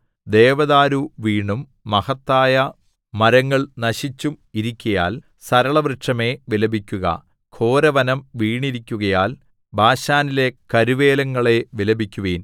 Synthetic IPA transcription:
d̪e̞ːʋɐðaːɾuʋiːɳumː | ɐhɐt̪ːaːjɐ | mɐɾɐŋːɐɭnɐɕit͡ɕːumiɾikʲːɐja̰ːl | sɐɾɐɭɐʋrɨʂɐme̞ʋilɐbikʲːuɣɐ̰ | kʰo̞ːɾɐʋɐnɐmʋiːɳiɾikʲːuɣɐjaːl | bʱaːɕaːnile̞kɐɾuʋe̞ːlɐŋːɐɭe̞ʋilɐbikʲːuʋiːn

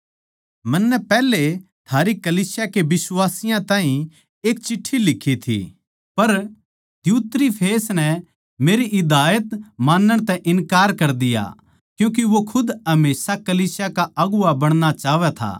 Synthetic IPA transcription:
mɐnːɛpɛːle | t̪ʰaːɾikɐliːsjakeʋɪswaːsɪjãt̪ãːɦĩ | eːkt͡ʃɪʈʰːilɪkʰːit̪ʰḭ | pɐɾ | d̪juːt̪ɾipʰeːsnɛ | meːɾiʔɪd̪aːjət̪maːnːəɽ̃t̪ɛ̃ʔɪnkaːɾkɐɾd̪ɪja̰ | kjũːk̬iʋokʰʊd̪ɐmeːsakɐliːsjakaʔɐɡʊabɐɽ̃ñat͡ʃaːʋɛt̪ʰa̰ː

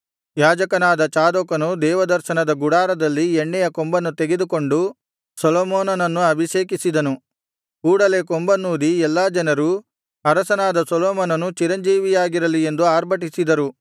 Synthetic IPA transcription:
jaːd͡ʒɐkɐnaːd̪ɐt͡ʃaːd̪okɐnud̪ɛːʋɐd̪ɐɾʃɐnɐd̪ɐɡuɽaːɾɐd̪ɐlːieɳːɛjɐkombɐnːut̪eɡed̪ukoɳɖu | sɔloːmoːnɐnɐnːuɐbʱiʃeːkisid̪ɐnu | kuːɽɐle̞kombɐnːuːɾiɛlːaːd͡ʒɐnɐɾu | ɐɾɐsɐnaːd̪ɐsɔlɔːmoːnɐnut͡ʃiɾɐɲd͡ʒiːʋijaːɡiɾɐlie̞nd̪uaːɾbʱɐʈ̬isid̪ɐɾu

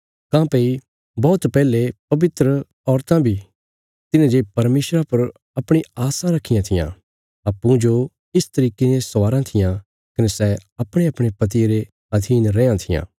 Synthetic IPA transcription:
kãːpei | bɔːt̪pɛːlepɐʋɪt̪ɾə | ɔːɾt̪ãbʱi | t̪ɪnãd͡ʒepɐɾmeːsɾapɐɾ | ɐpɽ̃iaːsãɾɐkʰːɪjãt̪ʰɪjã̰ | ɐpːũd͡ʒo | ɪst̪ɐɾiːkenẽsʋaːɾãt̪ʰɪjã | kɐnesɛɐpɽ̃eɐpɽ̃epɐt̪̬ieɾe | ɐd̪ʱiːnɾɛ̃ːãt̪ʰɪjã̰ː

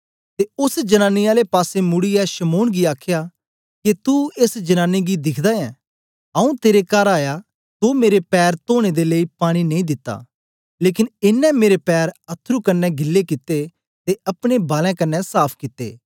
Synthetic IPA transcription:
t̪eʊsd͡ʒɐnaːnːiaːlepaːsemʊɽiɛʃɐmoːnɡiaːkʰja | kit̪uɪsd͡ʒɐnãːnːiɡid̪ɪkʰd̪aɛ̃ː | ɐ̃ũt̪eːɾekaːɾaːja | t̪omeːɾepɛːɾt̪oːɽ̃ed̪eleipaːɽ̃inɐ̃ĩːd̪ɪt̪ːa̰ː | leːkɪnɪnːɛmeːɾepɛːɾɐt̪ʰːɾukɐnːɛɡɪlːekɪt̪ːe | t̪eɐpɽ̃ebaːlɛ̃kɐnːɛsaːpʰkɪt̪ːḛː

